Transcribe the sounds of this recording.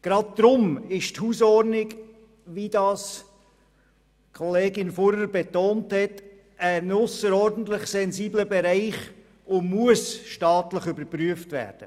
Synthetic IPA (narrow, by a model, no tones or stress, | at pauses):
ɡ̥ɾɑd̚d̥̪ɾʊmɪʃthuːsɔɾnɪɡ | ʋid̥ɑs | kʰɔleːɡɪnfɔɾəɾbetoːnthɛt | ænʊsəɾɔɾdən̩tlɪχsɛnziːbləbɛɾæɪχ | ʊmuəsʃtɑːtləχʏbəɾpɾyəftvæ̰ːɾd̥ə